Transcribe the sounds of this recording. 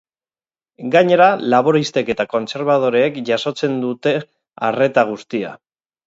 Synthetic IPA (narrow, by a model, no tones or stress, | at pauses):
ɡaɲe̞ɾalaβ̞o̞ɾist̪e̞ke̞t̪ako̞nt͡se̞ɾβ̞að̞o̞ɾeːkʝaso̞t͡se̞nd̪ut̪e̞ | are̞t̪aɣ̞ust̪ia̰